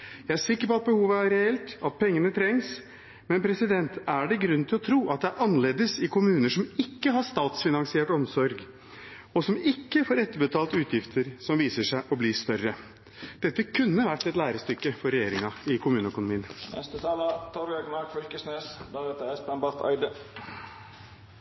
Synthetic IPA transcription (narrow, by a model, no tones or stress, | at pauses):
jæɪæʂɪkːəɾpɔɑt̪̚bəhuːʋəæɾɛɛlt̪ɑt̪̚pʰɛŋːənət̪ʰɾɛŋs | mɛnpʰɾɛsɪd̪ɛnt̪æɖɛɡɾʉnːt̪ʰɪlɔt̪ʰɾuːʔɑt̪̚d̪ɛæɾʔɑnɑleːd̪əsɪkʰʊmʉːnəʂɔmɪkːəɦɑʂt̪ɑːt̪sfɪnɑŋsɪeːʈɔmsɔɾɡ | ɔsɔmɪkːəfoːɾɛt̪ːəɾbət̪ʰɑːlt̪ʉːt̪ʰjɪft̪ʰəɾsɔmʋiːsəʂæɪʔɔbliːst̪œrːə | d̪̥ɛt̪ːəkʰʉnːəʋæʈːɛt̪læːɾəst̪ʏkːəfɔɾɛjeːɾɪŋɑɪkʰʊmʉːnəœkʊnʊmiːənnɛ̰st̪ət̪ʰɑːlɑt̪ʰɔɾɑɡnɑːɡfʏlkəsnøːsd̪ɑːɾɛt̪əɛspɛmbɑɾt̪ʰɑ̰ɪd̪ə